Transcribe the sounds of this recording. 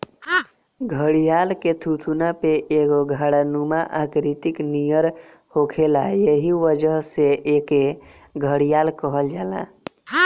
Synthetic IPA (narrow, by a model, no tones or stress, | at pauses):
ɡʱəɽijalket̪ʰut̪ʰunapeʔeɡoɡʱəɽanumaʔakɾit̪iknijəɾ | hokʰelajəɦiʋəd͡ʒəɦseʔeke | ɡʱəɽijalkəɦəld͡ʒaːla̰